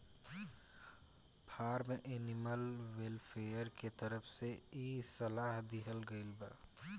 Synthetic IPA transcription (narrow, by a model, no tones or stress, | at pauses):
pʰaːɾmẽʔenɪməlwelfʰeːəɾket̪əɾəfseiːsɐlaːɦd̪ɪɦəlɡəilba̰